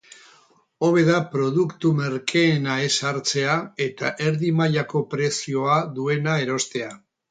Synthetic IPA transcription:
o̞β̞e̞ðapɾo̞ð̞ukt̪ume̞ɾkʰe̞ːnae̞saɾt͡se̞ae̞t̪a̰ʔe̞ɾðimaʎako̞pɾe̞sio̞aðue̞nae̞ɾo̞st̪e̞a

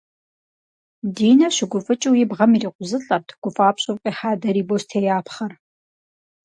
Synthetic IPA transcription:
diːnɐɕɪɡʷʊfʼɨt͡ʃʼɨwjɪbʁɐmiːriːqʷʊzɨɬʼɐtʰɡ̥ʷʊfʼaːpɕʼʊpqʼiːħaːdɐɾiːboɕtʰeːjaːpχɐr

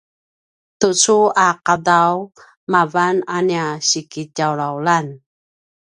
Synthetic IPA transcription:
tut͡suaqadaw | mavananiaɕikitawɾawlan

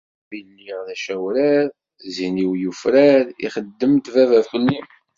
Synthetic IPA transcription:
binːiðæʃæwɾæɾ | ziniwjufɾæɾḭχəd̪ːəmt̪vævæfəlːi

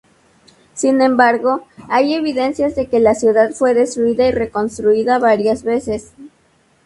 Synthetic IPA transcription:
sinẽ̞mbaɾɣo̞aje̞βiðe̞nsjazðe̞ke̞lasjuðaðfwe̞ðe̞st̪ɾuiðaire̞ko̞nst̪ɾuiðaβaɾjazβe̞se̞s

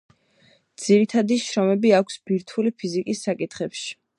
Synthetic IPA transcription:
d̪̥z̥iɾit̪ʰad̪iʃɾɔmɛbiakʷʰsbiɾt̪ʰulipʰizikʼisːakʼit̪ʰχɛpʃi̥

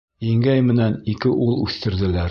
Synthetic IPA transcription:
iŋɡæjmɘ̆nænikɘʔulˠʉθt̪ɘ̆ɾd̪ɘ̆læɾ

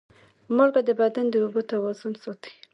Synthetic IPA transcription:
mʊlɡad̪əbad̪and̪əobot̪awazʊnsot̪ʰi̥

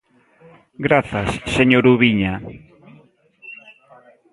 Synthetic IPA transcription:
ɡɾaθasːeɲoɾuβiɲa

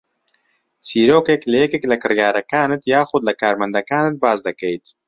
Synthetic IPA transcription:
t͡siɾokeklajekeklakɨɾjɑːɾɐkɑːnɪt̪jɑːxʊd̪lakɑːɾmɐnd̪ɐkɑːnɪt̪̚bɑːzd̪ɐkejt̪

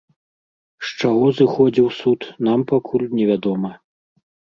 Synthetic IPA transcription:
ʂt͡ʂaɣɔzɨxɔd͡zʲiwsut̪nampakʰulʲnʲɛvʲad̪ɔmɐ

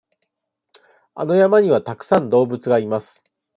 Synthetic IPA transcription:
a̰no̞jamaɲ̟iβat̪akɯ̟̥sãnd̪o̞ːbɯ̟t͡sɨɡaimasɨ̥

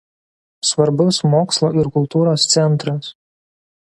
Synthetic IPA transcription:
sʋɐɾbʊsmoːkslˠoːɪɾkʊlˠt̪uːɾoːst̪sʲɛnˑt̪ɾɐs

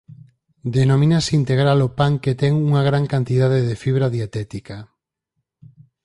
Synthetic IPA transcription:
d̪enomĩnaseint̪eɣɾalopaŋket̪ɛŋuŋaɣ̞ɾaŋkant̪iðað̞eðefiβɾaðjat̪ɛt̪ika

